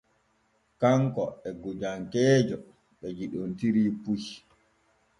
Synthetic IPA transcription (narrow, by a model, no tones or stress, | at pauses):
kaŋkɔɛɡud͡ʒaŋkɛːd͡ʒɔ | ɓɛd͡ʒiɗontiɾiːpuj